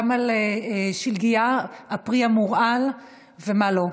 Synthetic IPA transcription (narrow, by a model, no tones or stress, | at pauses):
maleʃilɡiaapʁiamuʁal | vemalo̞